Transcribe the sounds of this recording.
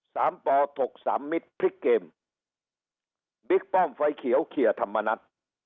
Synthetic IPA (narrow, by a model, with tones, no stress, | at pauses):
saː˩˦mpɔː˧t̪ʰo˨˩k̚sa̰ː˩˦mːi˦˥t̪̚pʰɾi˦˥kːeː˧m | bi˦˥k̚pɔ˥˩mfa˧jkʰi˨˩˦əwkʰi˨˩ət̪ʰa˧mːa˧na˦˥t̪̚